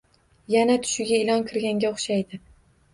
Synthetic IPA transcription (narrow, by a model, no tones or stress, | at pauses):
janat̪ʰʊ̥ʃɪɡʲaɪlˠɒnkʰɨɾɡʲaŋɡʲaʊχʃajd̪ɪ